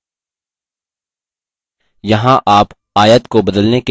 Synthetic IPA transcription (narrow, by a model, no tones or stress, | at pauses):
jɐɦãʔaːp | aːjət̪kobɐd̪əlneke